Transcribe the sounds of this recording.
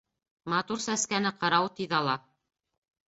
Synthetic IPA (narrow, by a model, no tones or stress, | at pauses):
mɑt̪uɾsæskænɘqɤ̆ɾɑwt̪iðɑlˠɑ